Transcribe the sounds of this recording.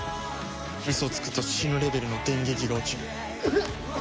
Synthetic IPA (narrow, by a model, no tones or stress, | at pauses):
ɾʲisɨot͡sɨ̥kɯ̟̥t̪ːoɕi̥ɕinoɾe̞be̞ɾɯ̟no̞t̪ẽ̞ŋɡʲe̞kʲiɾo̞ːt͡ɕɨː